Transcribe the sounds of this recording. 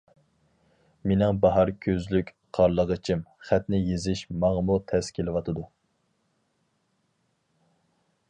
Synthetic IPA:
menɪŋbɑɦɑɾkʲʰøzlykʲ | qʰɑɾlˠəʁət͡ʃʰimχæt̪nɪjezɪʃmɑŋmut̪ʰɛskʲʰelɪwɑt̪ʰɨd̪u

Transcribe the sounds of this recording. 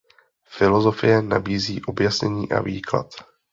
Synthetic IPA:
fɪlozofɪjɛna̰biːziːʔo̞bjasɲɛɲiːʔa̰viːkla̰t̪

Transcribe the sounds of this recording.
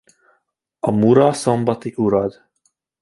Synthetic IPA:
ɒmuɾɒsombɒt̪iʔuɾɒd̪

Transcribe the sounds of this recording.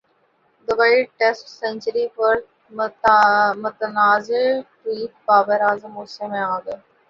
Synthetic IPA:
d̪əbaːiɖ̚ʈesʈsẽnt͡ʃəɾipəɾ | mʊt̪ənaːzeʈɾiːpbaːbəɾaːzəmoːsemẽaːɡ̪

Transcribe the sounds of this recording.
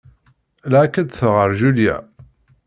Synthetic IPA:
lʕakːæd̪θəʁəɾˤʒuljæ̰

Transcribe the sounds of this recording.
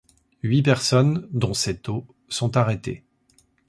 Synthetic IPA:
ɥipɛʁsɔnd̪ɔ̃sɛt̪o | sɔ̃t̪aʁet̪ḛ

